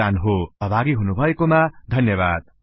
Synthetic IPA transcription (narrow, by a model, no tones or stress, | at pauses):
anɦoʌbʱaɡiɦunubʱʌekomad̪ʱʌnjʌbad̪̚